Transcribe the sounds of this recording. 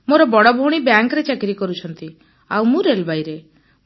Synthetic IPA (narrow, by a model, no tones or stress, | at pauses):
moɾɔbɔɽɔbʱoɽ̃ibjaŋkɾet͡ʃakɾikɔɾut͡ʃʰɔnt̪i | a̰wmũɾelbajɾe